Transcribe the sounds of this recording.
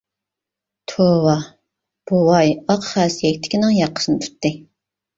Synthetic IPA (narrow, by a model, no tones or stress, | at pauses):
t̪ʰowɑ | b̥owɑjɑqχæsjɛkʲt̪ʰɪ̥kʲinɪŋjɑqʰːə̥ʃɨnɨt̪ʰy̥t̪ːɨ